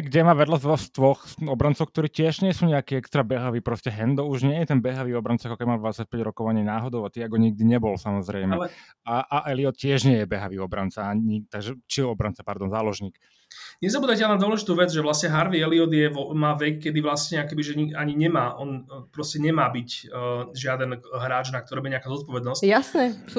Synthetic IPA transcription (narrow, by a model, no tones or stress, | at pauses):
ɡɟɛmaːʋɛd̪lazd̪ʋɔxst̪ʋɔxɔbɾant͡sɔʊk̚t̪ɔɾiːcɪɛʒɲɪɛsuːɲɛakiːɛkst̪ɾabɛɦaʋiːpɾɔscɛɦɛnd̪ɔuʒɲɪɛjɛt̪ɛnbɛɦaʋiːɔbɾant͡saakɔkɛbimaːd̪ʋat͡sac̚pɛɟɾɔkɔʋaɲiːnaːɦɔd̪ɔʊat̪iaɡɦɔɲiɡ̚d̪iɲɛbɔlsamɔzɾɛjmɛlɛ | aʔaʔɛliɔt̪cɪɛʒɲɪɛjɛbɛɦaʋiːɔbɾant͡saait̪aɡʒɛt͡ʃiɔbɾant͡sapaɾd̪ɔnzaːlɔʒɲiːk | ɲɛzabuːd̪acɛlnad̪ʋɔlɛʒit̪uːʋɛd͡zʒɛʋlasɲɛɦaɾʋiɛliɔd̪jɛʋɔmaːʋɛkːɛd̪iʋlasɲɛakɛbiʒɛɲiaɲiɲɛmaːʔɔnpɾɔscɛɲɛmaːbicʒɪad̪ɛnɦɾaːd͡ʒnak̚t̪ɔɾibiɛɲɛakazɔt̪̚pɔʋɛd̪nɔscjasnɛ